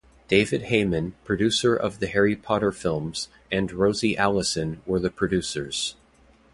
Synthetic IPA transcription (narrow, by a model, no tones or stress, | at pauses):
d̥eɪvɨd̚heɪmɨ̃npʰɹ̥ɨdʉsə˞ʔʌ̰vðɨhɛɹipʰɑɾə˞fɪlˠmz̥ | ɨ̃nɹoʊziʔælˠəsɨ̃nwə˞ðɨpʰɹ̥ɨdʉsə˞z̥